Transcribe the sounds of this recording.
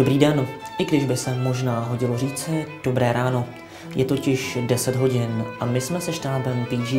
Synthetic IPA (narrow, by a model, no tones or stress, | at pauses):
obɾiːdɛnʔɪɡdɪʒbɪsɛmo̞ʒnaːɦo̞ɟɪlo̞riːt͡sɪd̥o̞bɾɛːɾaːno̞ | jɛt̪o̞cɪʃdɛsɛd̪ɦo̞ɟɪnʔamɪsmɛsɛʃtaːbɛmp̪iːʒiː